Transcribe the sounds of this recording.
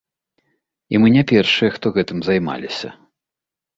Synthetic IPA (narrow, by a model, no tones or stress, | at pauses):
imɨnʲapʲɛrʂɨjɛxt̪ɔɣɛt̪ɨmzajma̰lʲisʲɐ̰